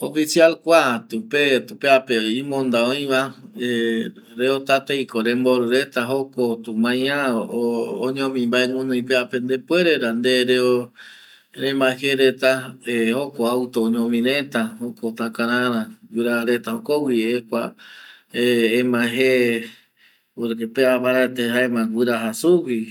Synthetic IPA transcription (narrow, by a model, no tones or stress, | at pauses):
ofisialkʷat̪upet̪upeapeimõnd̪aõj̃βae | ɾeot̪at̪ejkoɾẽmboɾɨɾet̪aɦokot̪umãj̃ãooɲõmĩmbaeŋõnõĩpeapend̪epweɾeɾand̪eɾeo | ɾẽmãheɾet̪aehokoawt̪oːɲõmĩɾẽt̪ahokot̪ãkãɾãɾãɡɨɾaɾet̪ahokowiekʷa | ẽːmãɦe | oepeapaɾat̪eɦaemãwɨɾaɦasuwi